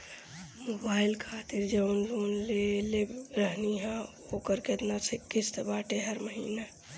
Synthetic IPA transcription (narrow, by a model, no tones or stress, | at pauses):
moːbaːɪlkʰaːt̪ɪɾd͡ʒənloːnleleɾəɦniɦɛ̃ | okəɾket̪nasekɪst̪baːʈeɦəɾməɦiːna